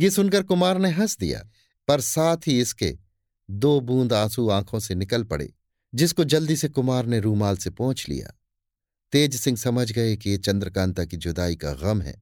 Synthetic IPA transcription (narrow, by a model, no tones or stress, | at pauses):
jesʊnkəɾkʊmaːɾneɦɐsd̪ḭja̰ː | pɐɾsaːt̪ʰɦiɪskḛ | d̪oːbũːnd̪aːsuãːkʰõsenɪkəlpɐɽḛː | d͡ʒɪskod͡ʒɐld̪isekʊmaːɾneɾuːmaːlsepɔ̃ːʊ̃t͡ʃlḭja̰ː | t̪eːd͡ʒsɪ̃ŋɡsɐməd͡ʒɡɐekijet͡ʃɐ̃nd̪ɾəkãːnt̪akid͡ʒʊd̪aːika̰ɣɐmɦɛ̰ː